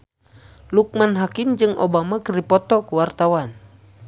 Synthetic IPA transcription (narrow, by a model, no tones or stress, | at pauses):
luk̚manɦakimd͡ʒɨŋʔo̰bamakəripɔt̪ɔkuwart̪awan